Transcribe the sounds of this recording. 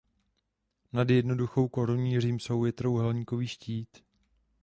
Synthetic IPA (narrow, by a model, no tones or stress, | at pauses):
nadjɛdno̞duxo̞wkoɾuɲiːr̝iːmso̞wjɛt̪ɾo̞wɦɛlɲiko̞viːʃciːt̪